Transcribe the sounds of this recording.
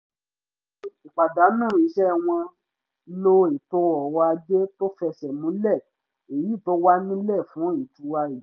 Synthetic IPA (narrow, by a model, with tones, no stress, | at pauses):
k͡pa˨da˨˦nũ˦˨i˨ʃɛ˦w̃ɔ̃˧ | lo˧e˨to˧˦ɔ˨wa˧d͡ʒe˦to˦fɛ˧sɛ˨mũ˨˦lɛ˦˨ | e˨ji˨˦˨to˦wa˦nĩ˦lɛ˦˨fũ˨˦i˨tu˧˦wa˧i˨˦